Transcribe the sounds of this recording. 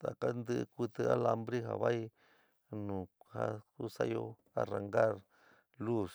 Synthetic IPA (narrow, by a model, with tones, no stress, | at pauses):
t̪a˨ka˦nd̪ɨ˦˧kʷi˧t̪ɨ˧a˦la˧mbɾi˦ɦa̰˨βa˦i˦ | nũ˨ha˦ku˦sa˦jo˧ | a˧ra˧ŋɡa˦ɾ | lu˦s